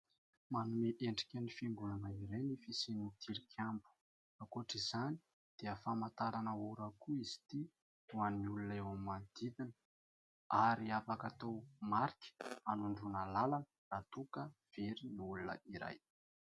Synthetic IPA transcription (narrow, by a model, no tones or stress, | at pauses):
manumeʔeɳɖ͡ʐi̥kʲənifiŋɡunanəiɾenifisinit̪ʰiɾikʰambu̥ | akoʈ͡ʂizani̥ | d̪̥eəfamant̪aɾanəuɾəkuiz̥i̥t̪i | uaniulunewamimand̪̥id̪inə | aɾiafakat̪owmaɾikʲi̥anuɳɖ͡ʐunəlalanə̥rat̪ukə | v̥eɾiniulunə̰iɾa̰j